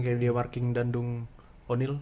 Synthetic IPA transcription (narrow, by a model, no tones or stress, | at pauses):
kajadiamarkɪŋdandʊŋ | onɪl